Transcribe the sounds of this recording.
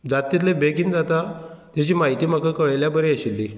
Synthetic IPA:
d͡zat̪ːit̪̬lebeɡiːnd͡zat̪at̪jat͡ɕiːmaɦit̪iːm̤akakəɭjljabəɾeəɕilːi

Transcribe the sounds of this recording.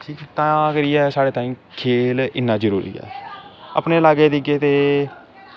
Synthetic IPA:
ʈʰiːt̪ãːəɡəɾɪɛːsaːɽeːt̪aːiːmkʰeːlɪnːãːd͡ʒəɾṵːɾḭːɛ̰ːə̰pneːlaːɡeːd̪iɡeːt̪eː

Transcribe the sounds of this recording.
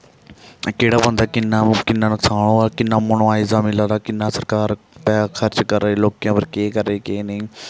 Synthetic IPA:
keːɽaːbə̃nd̪aːkɪnːãːkɪnːãːnəksaːɳõːaːkɪnːãːmənoaːɪzaːmɪlãːɾaːkɪnːãːsəɾkaːɾ | t̪ɛːkʰəɾt͡ʃkəɾeːloːkjãːpəɾkeːkəɾːeːkeːneː

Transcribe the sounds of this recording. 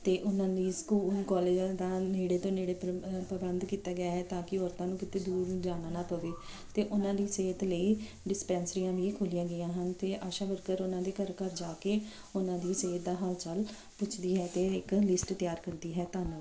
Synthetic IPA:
t̪eːʔʊnãːd̪iːskuːlkɔːleːd͡ʒd̪aːneːɽeːt̪õːneːɽeːpəbənd̪kiːt̪aːɡɪjaːɦɛːt̪ãːkɪɔːɾt̪ãːnũːkɪt̪eːd̪uːɾd͡ʒaːɽaːnaːpəʋeː | t̪eːʔʊnãːd̪iːseːt̪ləiː | ɖɪspɛ̃ːnsɾijãːʋiːkʰoːlijãːɡɪjãːɦənt̪eːʔaːʃaːbəɾkəɾʊnãːd̪eːkəɾkəɾd͡ʒaːkeː | ʊnãːd̪iːseːt̪̚d̪aːɦəlt͡ʃəl | pʊt͡ʃʰd̪iːɦɛːt̪eːɪklɪsʈt̪jaːɾkəɾd̪iːɦɛːt̪aːnəl

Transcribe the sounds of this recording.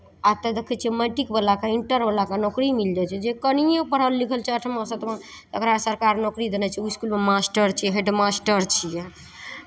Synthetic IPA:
at̪əd̪ekʰɛt͡ʃʰijɛməʈikbəlakaiɳʈəɾbəlakanɔkɾimild͡ʒat͡ʃʰɛd͡ʒekənijẽpəɽ̤əlːikʰəlt͡ʃʰɛəʈʰməsət̪mẽ | t̪əkɾasəɾkaɾnɔkɾid̪enɛt͡ʃʰiuiskulmemasʈəɾt͡ʃʰiɛɦeɖmasʈəɾt͡ʃʰijɛ

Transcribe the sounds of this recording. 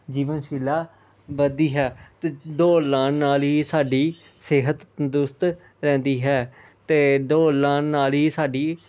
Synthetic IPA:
d͡ʒiːʋənʃɪlaː | bəd̪iːɦɛːt̪eːd̪oːlãːnnaːlɦiːsaːɖiː | seːɦət̪d̪ʊst̪ | ɾɛ̃ːnd̪iːɦɛː | t̪eːd̪oːlãːnaːlɦiːsaːɖiː

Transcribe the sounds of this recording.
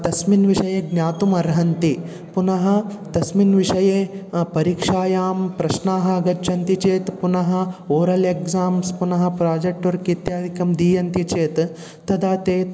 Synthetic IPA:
t̪ɐsminʋiʂɐjeːɡnʲaːt̪umɐɾɦɐnt̪i | punɐɦɐ̆t̪ɐsminʋiʂɐjeːpɐɾiːkʂaːjaːmpɾɐʃnaːɦɐɐɡɐd͡ʒʃɐnt̪it͡ʃeːt̪punɐɦɐ̆oːɾɐlekzaːmspunɐɦɐ̆pɾaːd͡ʒek̚ʈoɾkit̪jaːd̪ʱikɐmd̪iːjɐnt̪it͡ʃeːt̪ | t̪ɐd̪aːt̪eː

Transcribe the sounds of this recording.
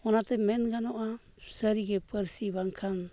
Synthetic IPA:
ɔnat̪ɛmɛnɡanɔʔa | saɾiɡɛpəɾsiβaŋkʰan

